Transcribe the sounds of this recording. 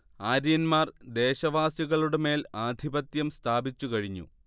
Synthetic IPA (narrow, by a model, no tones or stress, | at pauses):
aːɾijɐnmaːrd̪e̞ːɕɐʋaːsjuɣɐɭuɽeme̞ːlaːd̪ʱibɐt̪jɐmst̪ʰaːbit͡ɕːukɐɻiɲːṵ